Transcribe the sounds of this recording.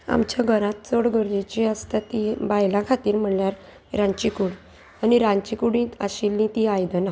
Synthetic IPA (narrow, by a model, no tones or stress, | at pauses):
a̰mt͡ɕjaɡʱəɾãt̪̚t͡soɽɡʱəɾd͡ʑit͡ɕiəst̪at̪ibajlakʰat̪iːɾm̤əɳljaɾ | ɾãɲt͡ɕikuɽ | aniɾaɲt͡ɕikuɽĩaɕilːĩt̪iajd̪əna